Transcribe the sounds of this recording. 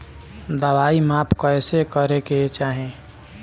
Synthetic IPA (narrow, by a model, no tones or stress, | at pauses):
d̪əβaimapʰkəjsekəɾeket͡ʃaːɦẽ